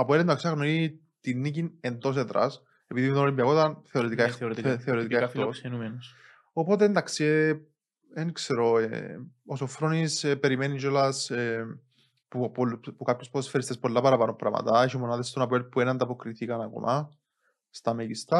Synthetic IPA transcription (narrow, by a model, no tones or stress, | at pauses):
ɐpoelend̪ɐksiɐɣnoi | t̪inːicinend̪os̬eðɾɐ̰s | epiðimt̪oolimbiɐkot̪ɐnθe̞oɾet̪ikaexɾt̪kθeoɾet̪ikaet̪osenumen | opo̞t̪̬eːnd̪ɐksie | enkseɾoeosofɾonispeɾimenid͡ʒolɐse | puppukapçospoðosfeɾist̪espo̞lːɐpɐɾɐpɐnompɾɐ̰mɐ̰t̪ɐeçimonaðest̪onɐp̬elpuenɐnd̪ɐpokɾiθikɐnɐko̰mʔɐ | st̪ɐmeɟist̪ɐ